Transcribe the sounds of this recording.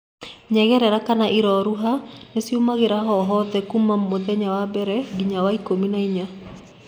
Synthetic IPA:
ɲɛɣɛɾɛɾakanaʔiɾɔɾuɦanesiumaɣeɾaɦɔɦɔðɛkumamːoðɛɲawabɛɾɛɡiɲawaikominaiɲa

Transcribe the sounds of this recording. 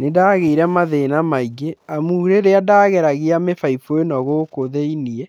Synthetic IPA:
nedaːɣeiɾɛmaðenamaiɡeamuɾeɾeadaːɣɛɾaɣeamefaifoenɔɣokoðeiniɛ

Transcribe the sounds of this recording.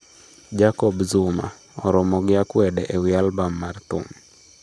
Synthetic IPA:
d͡ʒakɔbzuma̰ | ɔɾɔmɔɡɪakwɛdɛʔewɪalbamːart̪ʊ̰n

